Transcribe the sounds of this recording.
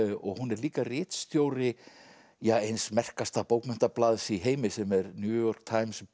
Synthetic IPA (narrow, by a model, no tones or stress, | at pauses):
ɔɣhunɛɾliːkarɪːt̪st̪jowɾɪ | jaejnsmɛr̥kast̪apowkmɛn̥t̪aplaːðsiɦeːjmɪsɛmɛɾnjuːjɔɾ̥k̚t̪ʰajms